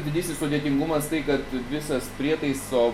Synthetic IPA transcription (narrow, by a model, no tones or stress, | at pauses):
d̪ʲɪd̪ʲiːsʲɪsʊd̪ʲiɛt̪ʲɪŋɡʊmɐst̪ɐɪkɐt̪ʋʲɪsɐspʲɾʲiɛt̪ɐɪsoː